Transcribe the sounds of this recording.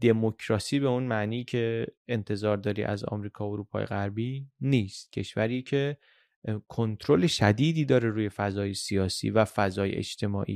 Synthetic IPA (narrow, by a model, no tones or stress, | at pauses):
d̪̥e̞mocʰɾɒːsiːbe̞unmæʔniːcʰe̞ent̪ʰe̞zɒːɾd̪ɒːɾḭʔæ̰zɒ̰ːmɾiːkʰɒːoɾuːpʰɒ̰ːjeɣæɾbiːniːst̪̚cʰe̞ʃvæɾiːcʰe̞ | kʰont̪ʰɾoleʃæd̪iːd̪iːd̪ɒːɾe̞ɾuːje̞fæzɒːje̞sijɒːsḭːvæfæzɒːjḛʔḛt͡ʃt̪ʰe̞mɒːʔḭː